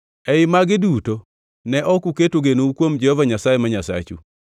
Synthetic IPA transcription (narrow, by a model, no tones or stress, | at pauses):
ɛɪmaɡɪduto | nɛʔɔkuketoɡenoukwomd͡ʒɛhɔvaɲasajemaɲasa̰t͡ʃṵ